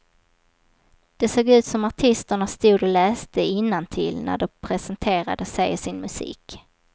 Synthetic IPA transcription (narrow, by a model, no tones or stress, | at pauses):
d̪̥ɛsoːɡʉ̟ːt̪sɔmaʈʰɪst̪əɳast̪uːd̪ɔlɛːst̪əɪnːant̪ʰɪ̰lnæ̰ɖɔpʰɾɛsɛnt̪ʰeːɾa̰d̪əsɛjsɪnmɵsḭːk